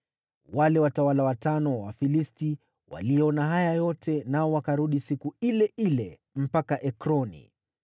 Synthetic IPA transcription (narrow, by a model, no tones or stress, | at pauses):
walɛwatawalawatanɔwa̰filisti | wa̰lijɛɔnaɦajajɔtʰɛnaɔwakaɾuɗisikuilɛʔilɛ | m̩pakaʔɛkɾɔnḭ